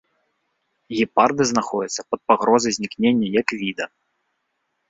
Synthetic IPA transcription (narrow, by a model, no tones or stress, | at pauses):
ɣʲipard̪ɨznaxɔdʲɛt̪sːɐ̥pɐt̪̚paɣɾɔzɐjzʲnʲiknʲenʲːɐjɐkvʲid̪ɐ